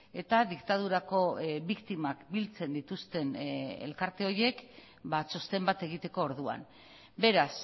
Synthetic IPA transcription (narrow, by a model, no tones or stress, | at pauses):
e̞t̪aðikt̪aðuɾako̞βikt̪imakbilt͡se̞nd̪it̪ust̪e̞nḛlkaɾt̪e̞o̞ɾje̞k | bat͡so̞st̪e̞mbat̪e̞ɣ̞it̪e̞ko̞ːɾðua̰n | be̞ɾas